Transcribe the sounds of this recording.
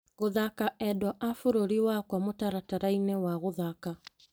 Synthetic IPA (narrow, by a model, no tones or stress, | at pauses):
ɣoðakaʔɛdwaʔafoɾoɾiwakwamotaɾataɾainɛwaɣoðaka